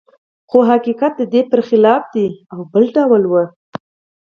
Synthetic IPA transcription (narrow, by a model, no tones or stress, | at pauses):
xoɦakiqat̪̚d̪əd̪epəɾxɪlɑfd̪iawbəlɖawəlwə